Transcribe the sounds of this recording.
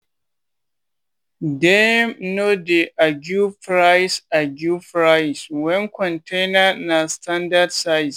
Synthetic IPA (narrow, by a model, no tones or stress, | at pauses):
dɛmnodeʔaɡufɾajsaɡʲufɾajswɛŋkɔntʰenanastʰandadsajs